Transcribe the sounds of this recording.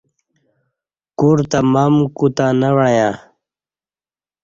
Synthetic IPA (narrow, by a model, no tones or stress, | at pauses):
kuɾt̪amamkut̪anawaja